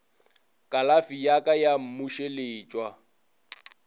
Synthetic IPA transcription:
kʼalafijakʼajam̩muʃelɪːt͡ʃʼwa

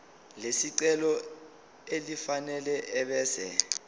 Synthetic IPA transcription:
lesiǀɛlɔ | elifanɛlɛʔɛɓɛːsɛ̰

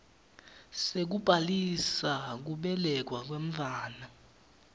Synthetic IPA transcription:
sek̬ub̥ʱalisak̬uɓɛlɛk̬wak̬weɱ̩vʱaːna

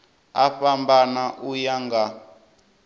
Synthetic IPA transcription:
aɸambanaʔujaŋɡa

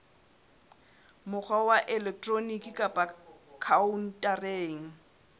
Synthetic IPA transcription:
mʊk͡xʰwawaʔɛlɛk̚tʼronikʼikʼapʼakʰaun̩tʼareːŋ̩

